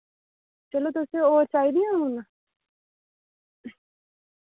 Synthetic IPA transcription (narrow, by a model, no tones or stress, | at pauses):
t͡ʃɐlot̪oseoːɾt͡ʃaːid̪iamuna